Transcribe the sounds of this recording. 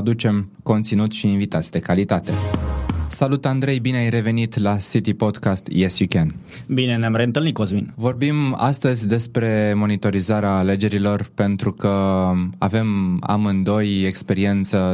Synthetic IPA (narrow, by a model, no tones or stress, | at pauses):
d̪ut͡ʃe̞m | ko̞nt̪sinut̪ʃiːnvit̪at̪sʲd̪e̞kalit̪at̪e̞ | salut̪and̪ɾe̞jbineajre̞ve̞nit̪lasit̪ipo̞d̪kast̪jesjukʲen | bine̞neamrent̪ɨlnikozminvo̞rbima̰st̪əzʲd̪e̞spɾe̞mo̞nit̪o̞ɾizaɾeaːle̞d͡ʒe̞ɾilo̞rpe̞nt̪ɾukəa̰ve̞ma̰mɨnd̪o̞je̞kspe̞ɾie̞nt̪sə